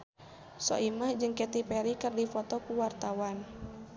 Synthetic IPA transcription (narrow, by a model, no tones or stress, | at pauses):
sɔ̰ʔimahd͡ʒɨŋkɛt̪ipɛɾikɨrdifɔt̪ɔkuwart̪awan